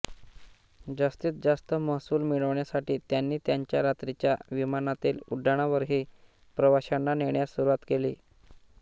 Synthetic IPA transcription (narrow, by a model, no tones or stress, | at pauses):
d͡zast̪iːt͡s̪̚d͡zast̪əməɦsuːlmiɭəʋɳjasaʈiːt̪janːiːt̪jaɲt͡ɕjaɾat̪ɾit͡ɕjaʋimanat̪iːluɖʱːaɽ̃aʋəɾɦiː | pɾəʋaɕanːaneɳjasuɾuʋat̪kelḭː